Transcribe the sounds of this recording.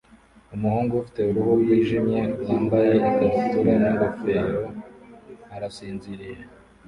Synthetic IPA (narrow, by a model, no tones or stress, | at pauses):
umuhuːŋɡoufi̥te̞uɾuhujiːʒimɲe̞aːmbaje̞itaɾituɾaniŋɡafeɾo̞ | aɾasiːnziɾije